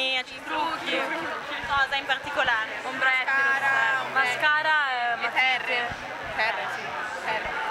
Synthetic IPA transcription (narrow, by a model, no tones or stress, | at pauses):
ia | t̪ɾukːikɔːzaimpart̪ikolaːɾekombɾɛt̪ː | maskaːɾamar | fɛ | ɛr